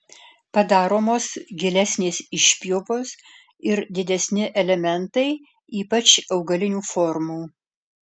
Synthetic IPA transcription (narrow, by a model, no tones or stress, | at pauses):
pɐd̪ɑːɾoːmoːsɡʲɪlʲɛsʲnʲeːsɪʃʲpʲjoːpoːs | ɪɾd̪ʲɪd̪ʲɛsʲnʲɪʔɛlʲɛmʲɛnt̪ɐɪ | iːpɐt͡ʃɐʊɡɐlʲɪnʲuːfɔɾmuː